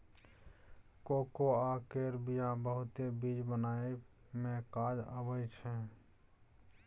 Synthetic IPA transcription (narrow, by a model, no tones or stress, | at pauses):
koːkoaːkeɾbijãbəɦʊt̪ebid͡ʒbənaːemẽkaːd͡ʒə̰bəd͡ʒt͡ʃʰɛ